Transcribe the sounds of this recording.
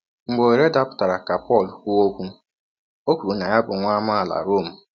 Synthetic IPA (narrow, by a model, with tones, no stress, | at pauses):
ŋ͡m̩˨ɡ͡bo˨e˨ɾe˦da˦pʊ̥˨ta˨ɾa˨ka˨pɔ˦˨lkʷu˦o˦kʷu˦ | o˦kʷu˨ɾu˨˦na˨ja˦bʊ˨ŋʷaː˦ma˦˨la̰˨ɾo˦˨m̩˨